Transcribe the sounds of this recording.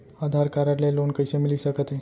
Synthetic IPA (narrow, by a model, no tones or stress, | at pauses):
ad̪ʱaɾkaɾaɾlelonkəjsemilisəkət̪e